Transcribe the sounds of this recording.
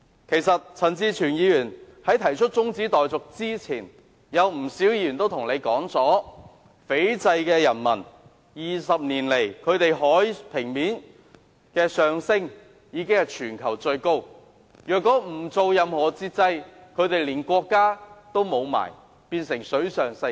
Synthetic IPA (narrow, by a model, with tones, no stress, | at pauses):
kʰe˨˩jsɐ˨t̚t͡sʰɐ˨˩nt͡siː˧t͡ʃʰyː˨˩njiː˨˧jyː˨˩n | hɐ˨˥jt̪ʰɐ˨˩jt͡ʃʰɵ˥t̚t͡sʊ˥ŋt͡siː˨˥t̪ɔː˨jt͡sʊ˨k̚t͡siː˥t͡sʰiː˨˩n | jɐ˨˧wm̩˨˩siː˨˥wjiː˧˨y˨nt̪o˥wt̪ʰʊ˨˩ŋne˨˧jkɔː˨˥ŋt͡sɔː˨˥ | fe˨˥jt͡sɐ˧jkɛː˧jɐ˨˩nmɐ˨˩n | jiː˨sɐ˨p̚niː˨˩nle˨˩jkʰɵ˨˧ɥt̪e˨jɦɔː˨˥jpʰɪ˨˩ŋmiː˨˥n | kɛː˧sœː˨ŋsɪ˥ŋ | jiː˨˧kɪ˥ŋhɐ˨jt͡ʃʰyː˨˩nkʰɐ˨˩wt͡sɵ˧ɥko˥w | jœː˨kːɔː˨˥m̩˨˩t͡so˨˧wjɐ˨˧mhɔː˨˩t͡siː˧t̚t͡sɐ˧jkʰɵ˨˧ɥt̪e˨jliː˨˩nkʷɔː˧kːaː˥t̪o˥wmo˨˧wma̰ː˨˩j | piː˧nsɪ˨˩ŋsɵ˨˥ɥsœː˨ŋsɐ˧